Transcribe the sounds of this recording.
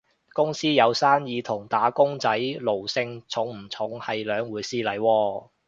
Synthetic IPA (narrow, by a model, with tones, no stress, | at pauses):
kʊ˥ŋsiː˥jɐ˨˧wsaː˥njiː˨˧t̪ʰʊ˨˩ŋt̪aː˨˥kʊ˥ŋt͡sɐ˨˥jlo˨˩wsɪ˧ŋt͡sʰʊ˨˥ŋm̩˨˩t͡sʰʊ˨˧˥ŋhɐ˨jlœː˨˧ŋwuː˨˧jsiː˥lɐ˨˥jwɔː˧